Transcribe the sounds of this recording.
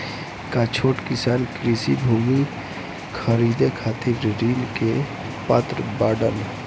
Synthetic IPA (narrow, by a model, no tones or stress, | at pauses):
kat͡ʃʰoːʈkɪsaːnkɾisibʱuːmi | kʰəɾid̪ekʰaːt̪iɾɾiːnke | pət̪ɾəbaːɖəl